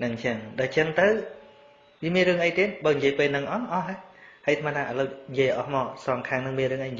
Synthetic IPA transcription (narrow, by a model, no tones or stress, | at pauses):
nɨŋt͡ɕəŋɗaɛlt͡ɕəŋt̪ɨw | ʋiəmiənrɨəŋʔəjt̪iət̪̚ɓaːɲijiəjpeːlnɨŋʔɑʔɑhɦəhəjt̪ʰmat̪ʰːaːʔələwɲjiəjʔɑhmɔːsɑŋkʰaːŋnɨŋmiənrɨəŋʔəjɲ